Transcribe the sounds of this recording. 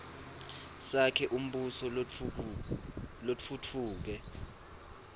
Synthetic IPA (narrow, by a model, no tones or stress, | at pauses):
sakʰɛʔum̩ɓusɔ | lotfutʰuːk̬ɛ